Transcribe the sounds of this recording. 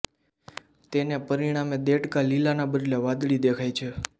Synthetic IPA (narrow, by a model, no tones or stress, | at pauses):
t̪enepəɾiɽ̃amed̪eʈkalilanabəɾleʋad̪ɭid̪ekʰajt͡ʃʰe